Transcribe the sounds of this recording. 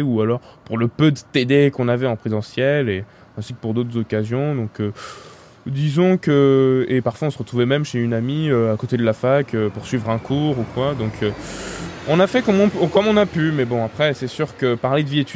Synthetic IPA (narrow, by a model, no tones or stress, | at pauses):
ualɔʁpuʁləpød̪ət̪ed̪ekɔ̃navɛɑ̃pχezɑ̃sjɛle | ɛ̃sikəpuʁd̪ot̪χəzɔkazjɔ̃d̪ɔ̃kø | d̪izɔ̃køepaʁfwaɔ̃səʁət̪χuvɛmɛmʃeynamiøakot̪ed̪əlafakʰøpuʁsɥivʁɛ̃kʰuʁukwad̪ɔ̃kʰø | ɔ̃nafɛkɔmɔ̃pkɔmɔ̃napymɛbɔ̃apχɛsɛsyʁkəpaʁled̪əviet̪y